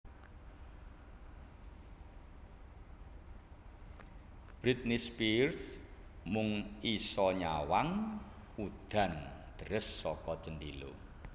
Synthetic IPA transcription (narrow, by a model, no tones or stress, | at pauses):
b̥ɾit̪̚nispirsmʊŋisɔɲawaŋ | ud̪̥ä̤nd̪̥ə̤ɾɪsːɔkɔt͡ʃəndilo̰